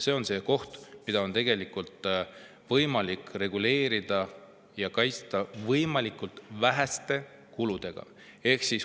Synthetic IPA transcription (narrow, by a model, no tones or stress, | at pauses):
se̞ːo̞nse̞ko̞ht̪mid̪ɑo̞nt̪e̞ɡ̥e̞likult̪ˑ | vɤjmɑlikːˑre̞ɡ̥ule̞ːɾid̪̥ɑ | jɑkɑjt̪st̪ɑvɤjmɑlikˑult̪væɦæst̪e̞ | kulud̪̥e̞ɡ̥ɑ̰ | e̞hksis